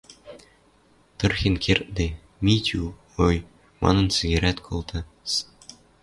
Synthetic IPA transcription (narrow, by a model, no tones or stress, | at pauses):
t̪ɤ̆rxʲenkʰert̪̚d̪ʲe | mʲit̪ʲʰu | oj | mɑ̰nɤ̆nsiɣʲeɾʲæt̪kʰolˠt̪ʰɤ̆ | s